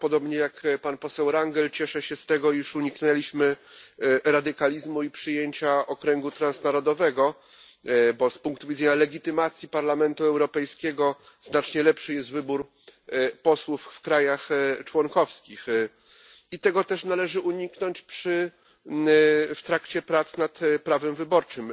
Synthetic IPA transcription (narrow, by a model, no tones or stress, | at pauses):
pɔd̪ɔbɲɛjakpanpɔsɛwɾaŋɡɛlt͡ɕɛʂɛɕɛst̪ɛɡɔiʂuɲiknɛlʲiɕmɘ | ɾad̪ɘkalʲizmuipʂɘjeɲt͡ɕaɔkɾɛŋɡut̪ɾansnaɾɔd̪ɔvɛɡɔ | bɔspuŋkt̪uvʲidzɛɲalɛɡʲit̪ɘmat̪sʲjipaɾlamɛnt̪uɛwɾɔpɛjskʲɛɡɔ | znat͡ʂɲɛlɛpʂɘjɛst̪vɘbuɾ | pɔswuffkɾajaxt͡ʂwɔŋkɔfskʲix | it̪ɛɡɔt̪ɛʂnalɛʐɘʔuɲiknɔɲt͡ɕpʂɘ | ft̪ɾakt͡ɕɛpɾat̪snat̪pɾavɛmvɘbɔɾt͡ʂɘm